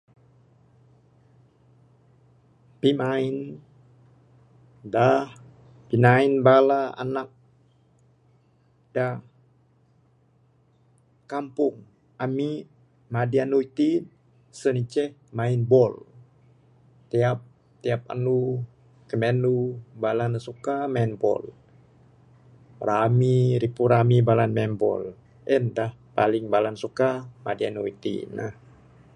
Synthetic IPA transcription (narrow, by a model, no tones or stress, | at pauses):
pimain | dah | pinainbalaa̰nak̚ | d̥a | kampʊŋ | ami | madianuit̪in | sənit͡ʃɛhmainbɔl | t̪iap̚ | t̪iap̚a̰nu | kəmenubalanəsukaminbɔ̰l | ramiɾipuɾamibalanmanbɔ̰l | ʔɛndahpaliŋbalansukamadianoit̪ḭnah